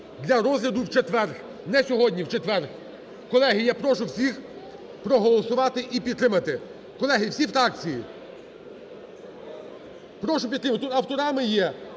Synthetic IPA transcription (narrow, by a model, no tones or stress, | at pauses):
d̪ʲlʲɐɾɔzʲlʲɐd̪ʊwt͡ʃet̪ʋɛrk | nɛsʲɔɦɔdʲnʲiwt͡ʃet̪ʋɛrx | kɔlˠɛɦijjapɾɔʃʊwsʲix | pɾɔɦɔlˠɔsʊʋɑt̪ɪʔipʲid̪t̪ːɾɪmɐt̪ɪ | kɔlˠɛɦiwsʲifɾɑk̚t͡sʲiji | pɾɔʃʊpʲid̪ɾɪmɐt̪ɪt̪ut̪ɐwt̪ɔɾɑmɪjɛ